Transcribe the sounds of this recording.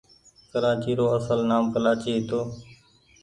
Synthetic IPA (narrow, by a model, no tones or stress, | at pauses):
kəɾaːt͡ʃiːɾoːəsəlnaːmkəlaːt͡ʃiːɦt̪oː